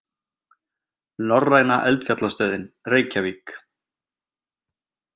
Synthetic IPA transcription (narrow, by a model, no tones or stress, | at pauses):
nɔrːajnaʔɛlt̪fjat̪last̪œːðɪnreːjcaviːk